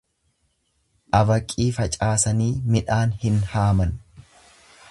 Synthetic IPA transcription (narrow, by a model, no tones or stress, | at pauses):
ʔɐbɐkʼːiːfɐt͡ʃʼaːsɐniːmɪᶑaːnhɪnhaːmɐn